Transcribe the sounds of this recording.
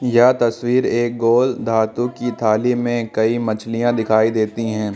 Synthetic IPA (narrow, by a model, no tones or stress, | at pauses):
jat̪ɐswiːɾeːk̚ɡoːld̪ʱaːt̪ũkit̪ʰaːlimẽkɐimɐt͡ʃʰlijãd̪ɪkʰaːid̪eːt̪iɦɛ̃ː